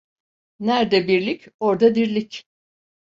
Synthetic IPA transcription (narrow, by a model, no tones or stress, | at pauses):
næɾd̪ɛbiɾlʲicʲo̞ɾd̪ad̪iɾlʲicʲ